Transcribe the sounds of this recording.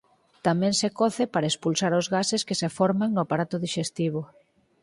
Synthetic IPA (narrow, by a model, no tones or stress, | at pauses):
t̪amɛ̃ŋsekɔθɪpaɾɐespulsaɾʊzɣaseskesefɔɾmaŋnʊapaɾat̪ʊðiʃest̪iβ̞ʊ